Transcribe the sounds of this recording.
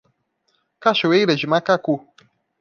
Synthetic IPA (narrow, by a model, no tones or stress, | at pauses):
kaʃewejɾaʒimakaku